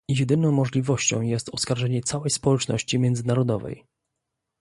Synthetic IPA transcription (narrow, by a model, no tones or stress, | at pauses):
ijɛd̪ɘnɔ̃w̃mɔʐlʲivɔɕt͡ɕɔ̰̃w̃jɛst̪ɔskaɾʐɛɲɛt̪sawɛjspɔwɛt͡ʂnɔ̰ɕt͡ɕimʲjɛnd̪zɘnaɾɔd̪ɔvɛ̰j